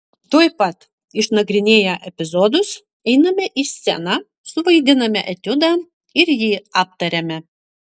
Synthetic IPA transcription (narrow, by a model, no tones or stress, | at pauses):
t̪uɔjpɐt̪ | ɪʃnɐɡɾʲɪnʲeːjɛʔɛpʲɪzɔːd̪ʊs | ɛɪnɐmʲɛʔɪsʲɛ̰nɑ | sʊʋɐɪd̪ʲɪnɐmʲɛʔɛt̪ʲʊd̪ɑː | ɪɾjiːɑːp̚t̪ɐɾʲɛmʲɛ